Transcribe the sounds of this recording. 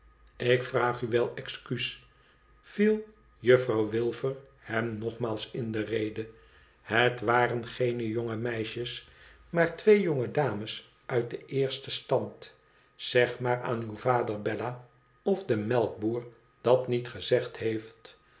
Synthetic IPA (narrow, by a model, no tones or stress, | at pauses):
ɪkfraːχyʋɛlˠɛkskys | filˠ | jɵfrɑwʋɪlˠvər | hɛmnɔχmaːlˠsɪndərejdə | hətʋaːrənχejnəjoŋəmɛjʃəs | maːɹtʋejjoŋədaːməs | ʔœɥt̚dəʔɪːɹstəstɑnt | z̥ɛχmaːɹa̰ːnywvaːdəɹbɛla | ɔvdəmɛlˠk̚buːɹ | d̥ɑtnitχəzɛχthejft